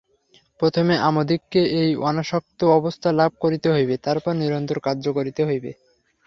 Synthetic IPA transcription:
pɾot̪ʰomeʔamod̪ikːeʔejɔnaʃɔk̚t̪oɔbost̪ʰalab̚ʱkoɾit̪eɦojbet̪aɾpɔɾniɾont̪oɾkaɾd͡ʑokoɾit̪eɦojbḛ

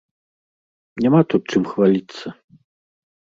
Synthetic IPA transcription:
nʲamat̪ut̪̚t͡ʂɨmxvalʲit̪sːɐ

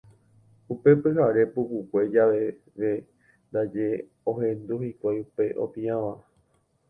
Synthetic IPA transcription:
upe̞pɨɦaɾe̞pukukʷe̞d͡ʒaʋe | ʋe̞ | nd̪ad͡ʒe̞ | õɦẽ̞nd̪uhikʷajupe̞ʔo̰pĩãʋã

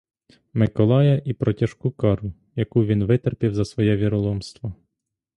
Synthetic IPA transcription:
mɪkɔlˠɑjɐʔipɾɔtʲɐʃkukɑɾʊ | jɐkuʋʲinʋɪt̪erpʲiwzɐsʋɔjɛʋʲiɾɔlˠɔmst̪ʋɐ

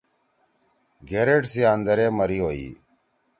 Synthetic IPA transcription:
ɡeɾeʈsiaːnd̪əɾeːməɾiːɦoːḭː

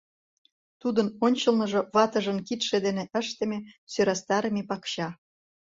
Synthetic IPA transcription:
t̪ud̪ənonʲt͡ɕɤ̆lnɤ̆ʒoβɑt̪ə̆ʒə̆nkit̪ʃed̪eneʔə̆ʃt̪ĕmesøɾɑst̪ɑɾəmepɑkɕɑ

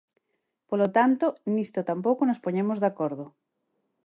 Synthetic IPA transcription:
polot̪ant̪onist̪ot̪ampowkonospoɲemozðakoɾðo

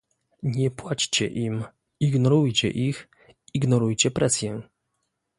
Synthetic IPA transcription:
ɲɛpwat͡ɕt͡ɕɛ̰ʔim | iɡnɔɾujt͡ɕɛ̰ʔix | iɡnɔɾujt͡ɕɛpɾʔɛsʲjɛ

